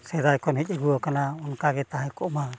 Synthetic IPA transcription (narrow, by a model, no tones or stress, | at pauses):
sɛd̪ajkɔnɦicˀɛɡuɔkanaɔnkaɡɛt̪aɦɛkɔʔma